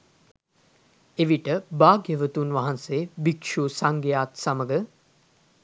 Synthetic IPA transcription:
eʋiʈəbaːɡjəʋət̪unʋaɦanseːbikʂusaŋɡejaːt̪saməɡə

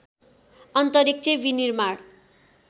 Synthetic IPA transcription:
ʌnt̪ʌɾik̚t͡sebinirmaɽ

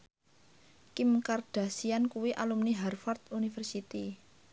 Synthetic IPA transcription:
kimkard̥a̤siankuwiʔalumniɦɛrfart̪unifərsit̪i

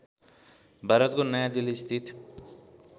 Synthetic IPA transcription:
bʱaɾʌt̪konʌjad̪ilist̪ʰit̪

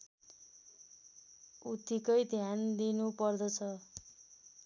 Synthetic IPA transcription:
ut̪ikʌjd̪ʱjand̪inupʌrd̪ʌt͡sʰʌ

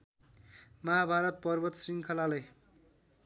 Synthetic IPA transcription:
mʌɦabʱaɾʌt̪̚pʌrbʌt̪sriŋkʰʌlalʌj

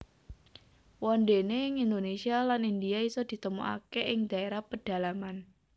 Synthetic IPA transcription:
wɔndeneŋind̪onesialanind̪iaisɔd̪̥i̤t̪əmṵʔa̰keʔɪŋd̪̥a̤eɾahpəɖ̥a̤laman

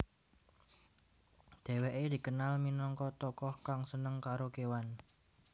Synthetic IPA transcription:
d̪̥e̤weʔed̪̥i̤kənalminɔŋkɔt̪ɔkɔhkaŋsənəŋkaɾokewan

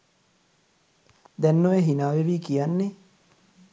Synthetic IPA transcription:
d̪ɛnːoʋeɦinaːʋeʋiːkijanːe

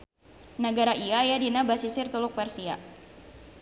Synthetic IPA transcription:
nəɡaɾaʔiaːjadinabasisɪrt̪ulʊk̚pɛrsia̰

